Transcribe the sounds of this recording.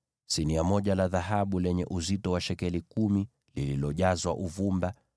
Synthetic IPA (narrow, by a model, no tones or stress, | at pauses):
siniamɔʄalaðaɦaɓulɛɲɛ̰ʔuzitɔwaʃɛkɛlikumi | lililɔʄazwaʔuvumba